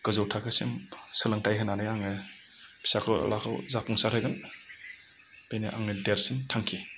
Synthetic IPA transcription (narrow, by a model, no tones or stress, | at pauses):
ɡ̥ɯzɔwtʰakʰɯsimsɯlɐŋtajɦʰɯnanɯjaŋnɯ | pʰi̥sakʰɔw̰lakʰawzapʰɔŋsaɾʰɔjɡan | bejneʔa̰ŋnɯdeɾsintʰaŋkʰi